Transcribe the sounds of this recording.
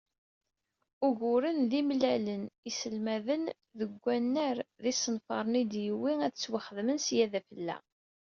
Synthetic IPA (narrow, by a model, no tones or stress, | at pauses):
ʊɣʊɾənðimlælənisəlmæðən | ðəɡʷːænːəɾðisənfɑɾˤnid̪jəwːiæðət͡sːwaχəðmənsjæðæfəlːæ̰